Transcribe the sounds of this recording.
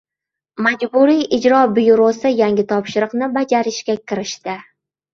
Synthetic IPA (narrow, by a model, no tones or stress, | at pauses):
mad͡ʒbʊɾijʔɪd͡ʒɾɒbɪjɾosɪjaŋʲɡʲɪt̪ʰɒpʃɪɾɨqnɪbad͡ʒaɾɪʃkʲakʲʰɪɾɪʃt̪ɪ